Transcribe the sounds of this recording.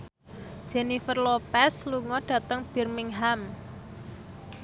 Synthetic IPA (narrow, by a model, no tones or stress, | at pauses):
d̥ʒ̥ɛnifərlopɛsluŋɔɖ̥ä̤t̪əŋb̥i̤rmɪŋɦam